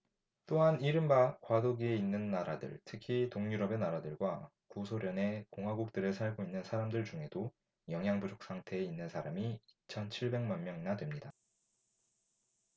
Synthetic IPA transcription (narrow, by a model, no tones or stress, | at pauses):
t͈oɦaniɾɯmbakwadoɡie̞inːɯnːaɾadɯ̰ɭtʰɯkʰitoŋɲuɾʌbe̞naɾadɯɭɡwa | kusʰoɾjʌne̞koŋɦaɡuk̚t͈ɯɾɯɭsʰaɭɡoinːɯnsʰaɾamdɯɭt͡ɕuŋɦe̞do | jʌŋɦjaŋbud͡ʑok̚s͈aŋtʰe̞ːinːɯnsʰaɾamiit͡ɕʰʌnt͡ɕʰiɭbe̞ŋmanmjʌŋinadwe̞mɲida